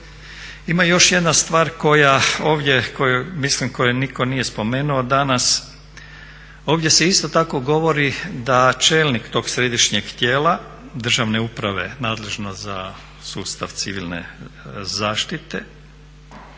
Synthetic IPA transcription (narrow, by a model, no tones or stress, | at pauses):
imajo̞ʃje̞d̪nast̪ʋaːɾko̞jao̞ːʋd̪ʲje̞ko̞jumislimko̞jeniko̞nije̞spo̞me̞ːnuod̪anas | o̞ːʋd̪ʲje̞se̞ist̪o̞t̪ako̞ɡo̞ʋo̞ɾid̪at͡ʃe̞ːlnikt̪o̞ːɡsɾe̞d̪iʃɲeɡt̪jeːla | d̪r̩ʒaʋne̞upɾaʋe̞̰naːd̪le̞ʒnoza̰ | sṵːst̪aʋt̪sḭʋḭlnḛzaːʃt̪it̪e̞